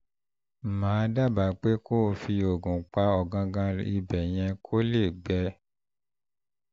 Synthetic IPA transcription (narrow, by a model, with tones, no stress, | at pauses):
mãː˨˦da˦˨ba˨˦k͡pe˦ko˦˨fi˧o˨ɡũ˨k͡pa˧ɔ˨ɡã˧ɡã˧ḭ˧bɛ˨j̃ɛ̃˧kʰo˦le˦˨ɡ͡bɛ˧